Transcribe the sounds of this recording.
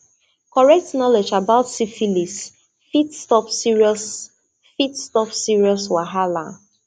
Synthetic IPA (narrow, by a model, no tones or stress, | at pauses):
kɔɹɛk̚tnɔled͡ʒabaʊtsifilis | fitstɔpsiɹiɔs | fitstɔpsiɹiɔswaɦalã̰